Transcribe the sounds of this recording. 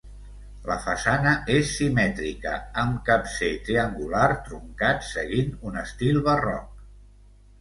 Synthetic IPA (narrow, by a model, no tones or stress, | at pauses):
ləfəsanəʔesːimɛt̪ɾikə̰əmkapset̪ɾiəŋɡulart̪ɾuŋkat̪səɣinunəst̪ilˠβərɔ̰k̚